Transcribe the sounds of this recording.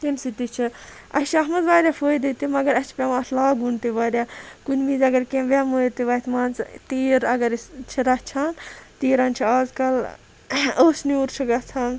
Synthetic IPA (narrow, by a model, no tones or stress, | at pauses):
t̪ensit̪it͡ʃʰi | ɐʃɐɦmɐd̪ʋaːɾʲaːfʰoːid̪it̪imɐɡɐɾɐt͡ʃʰi̥pʲamɐt̪ʰlaːɡunt̪iʋaːɾʲaːkunʲmiːzɐɡɐɾkẽmʋʲaːmojiɾt̪iʋɐt̪ʰmaːnt͡st̪iːɾɐɡɐɾist͡ʃʰiɾɐt͡ʃʰaːnt̪iːɾaːnt͡ʃʰiaːzkɐl | oːsniuɾt͡ʃʰiɡɐt͡sʰaːn